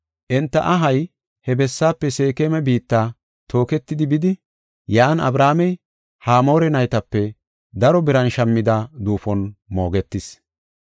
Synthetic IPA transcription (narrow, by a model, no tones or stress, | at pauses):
ʔɛnt̪ːɐ̰ʔɐɦɐj | hɛbɛsːaːpːɛse̞ːkeːmɛbiːt̪ːaː | t̪ʰo̞ːkɛt̪ːɪd̪ɪbɪd̪ɪ | jaːnɐ̰bɾaːmɛj | haːmo̞ːɾɛnɐjt̪ɐpːɛ | d̪ɐɾɔbɪɾɐnʃɐmːɪd̪ɐd̪uːfɔnmo̞ːɡɛt̪ːɪs